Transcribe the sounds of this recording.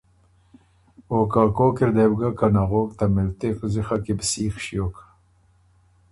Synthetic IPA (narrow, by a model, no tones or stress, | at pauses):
okakoːkɪɾd̪ebɡakanaɣoːkt̪amɪlt̪eqzɪxakebsiːxʃijokḁ